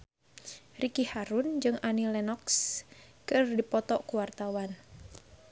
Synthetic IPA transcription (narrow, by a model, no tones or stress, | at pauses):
rikihaɾund͡ʒɨŋʔanilɛnɔkskɨrdipɔt̪ɔʔkuwart̪awan